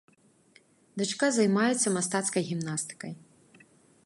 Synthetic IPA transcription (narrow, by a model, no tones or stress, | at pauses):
d̪ɨt͡ʂkazɐjmajɛt̪sːɐmast̪at̪skɐjɣʲimnast̪ɨ̥kɐj